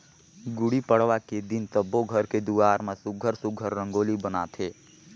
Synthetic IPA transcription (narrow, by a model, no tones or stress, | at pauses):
ɡʊɽipəɽ̤ʋaked̪ɪnt̪əbːoɡʱəɾked̪uaːɾmẽsʊɡʱəɾsʊɡʱəɾːə̃ŋɡoːlibəna̰ːt̪ʰeː